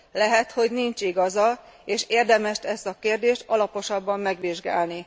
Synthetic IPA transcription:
lɛɦɛt̪ho̞ɟnint͡ʃiɡɒzɒeːʃeːrd̪ɛmɛʃt̪ɛst̪ɒkeːrd̪eːʃt̪ɒlɒpo̞ʃɒbːɒmːɛɡʋiʒɡa̰ːlni

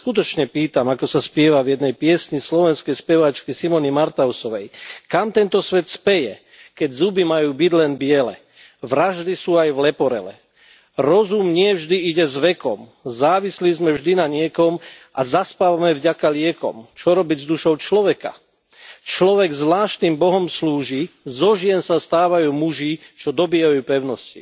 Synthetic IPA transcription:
skut̪ɔt͡ʃɲɛpiːt̪amakɔsaspɪɛʋavjɛd̪nɛjpɪɛsɲislɔʋɛnskɛjspɛʋat͡ʃkisimɔnimaɾt̪aʊsɔʋɛjkamt̪ɛnt̪ɔsʋɛt̪spɛjɛ | kɛɟzubimajuːbiɟlɛnbɪɛlɛ̰ | ʋɾaʒd̪isuːajvlɛpɔɾɛ̰lɛ̰ | ɾɔzumɲɪɛvʒd̪iiɟɛzʋɛkɔmzaːʋislizmɛvʒd̪inaɲɪɛkɔmʔazaspaːʋamɛvɟakalɪɛkɔ̰mt͡ʃɔɾɔbiɟzd̪uʃɔʊt͡ʃlɔʋɛka̰ | t͡ʃlɔʋɛɡzʋlaːʃt̪nimbɔɦɔmsluːʒizɔʒɪɛnsast̪aːʋajuːmuʒiːt͡ʃɔd̪ɔbiːajuːpɛʊnɔscḭ

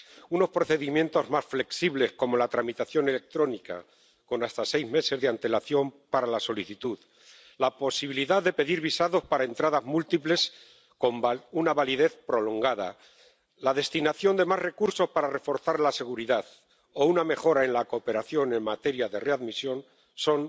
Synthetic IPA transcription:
uno̞spɾo̞θe̞ðimje̞nt̪o̞zmasfle̞ksiβle̞sko̞mo̞lat̪ɾamit̪aθjo̞ne̞le̞k̚t̪ɾo̞nika̰ | ko̞nast̪ase̞jzme̞se̞zðeant̪e̞laθjo̞mpaɾalaso̞liθit̪uð | lapo̞siβiliðaððe̞pe̞ðiɾβisaðo̞spaɾae̞nt̪ɾaðazmult̪iple̞s | komunaβaliðe̞θpɾo̞lo̞ŋɡaða̰ | laðe̞st̪inaθjo̞nd̪e̞mare̞kuɾso̞spaɾare̞fo̞ɾθaɾlase̞ɣ̞uɾiðað | ouname̞xo̞ɾae̞nlako̞pe̞ɾaθjo̞ne̞ŋmat̪eɾjaðe̞reaðmisjo̞n | so̞n

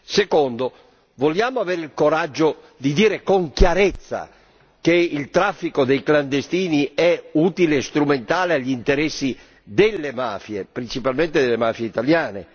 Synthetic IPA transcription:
sekond̪o | voljaːmoaveːɾeilkoɾad͡ʒːo | d̪id̪iːɾekoŋkjaɾet̪sːa̰ | keilt̪ɾafːikod̪ejkland̪est̪iːniɛuːt̪ileːst̪ɾument̪aːleaʎːint̪eɾɛsːi | d̪elːema̰ːfjepɾint͡ʃipalment̪ed̪elːemaːfjeit̪aljaːnḛ

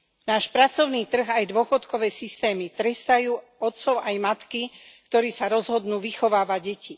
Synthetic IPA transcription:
naːʃpɾat͡sɔʊniːt̪r̩ɣajd̪ʊɔxɔt̪kɔʋɛːsist̪ɛːmit̪ɾɛst̪ajuː | ɔt̪t͡sɔʊajmat̪ki | kt̪ɔɾiːsaɾɔzɦɔd̪nuːʋixɔʋaːʋaɟɟɛci

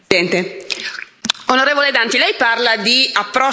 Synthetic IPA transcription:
ɛnt̪e | onoɾeːvoled̪ant̪ilɛjparlad̪iapːɾɔ

